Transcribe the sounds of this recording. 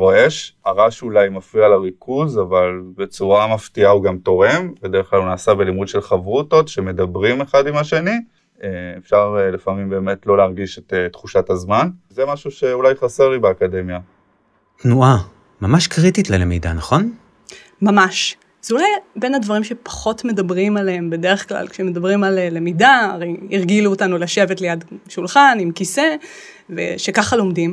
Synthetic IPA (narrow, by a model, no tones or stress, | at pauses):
ʁo̞e̞ʃaʁaʃulajmafʁialaʁikʰuzavalbe̞t͡suʁamaftiauɡamto̞ʁe̞mbed̪e̞ʁeχklalunaːsabe̞limudʃe̞lχavʁutotʃe̞me̞dabʁimeχadimaʃe̞ni | eefʃaʁlefamimbe̞ːme̞tlo̞leːʁɡiʃetetχuʃatazmanzemaʃuʃe̞ulajχase̞ʁlibeakade̞mja | tnuʔa | mamaʃkʁititlelḛmḭda̰naχo̞n | mamaʃ | z̥eulajbe̞nadvaʁimʃe̞pḁχo̞tme̞dabʁimaleembe̞de̞ʁeχkla̰lkʃemedabʁimallemidaːʁejiʁɡiluotanulaʃe̞vetlejadʃulχanimkise̞ | vḛʃekaχalo̞mdim